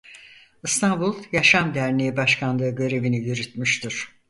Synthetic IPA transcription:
ɯst̪ʰanbulˠjaʃamd̪æɾnejibaʃkʰanlˠɯɯɟø̞ɾe̞vinijyɾyt̪myʃt̪ʰiɾ̥

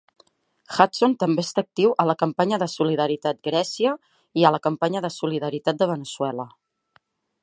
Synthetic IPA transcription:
xat̪t͡sont̪əmbeest̪aəːk̚t̪iwʔələkəmpaɲəðəsuliðəɾit̪at̪̚ɡɾɛsiə | iələkəmpaɲəðəsuliðəɾit̪at̪̚d̪əβ̞ənəsuɛlə

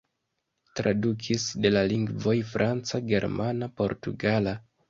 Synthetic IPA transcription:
tɾadukʰisde̞laliŋɡvo̞jfɾʔant͡saɡe̞ɾmanapo̞̰ɾtuɡala

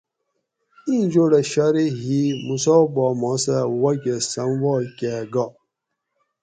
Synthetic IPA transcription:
ind͡ʒoɾaʃaɾeɦimusɔbɔmɔ̃sawakʲɛsanvɔkʲɛɡɔ

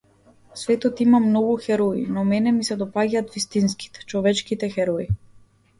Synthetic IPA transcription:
svɛt̪ɔt̪imamnɔɡuxɛɾɔḭnɔmɛnɛmisɛd̪ɔpaɟaːt̪vist̪inski̥t̪ɛ̥t͡ʃɔvɛt͡ʃkit̪ɛxɛɾɔi

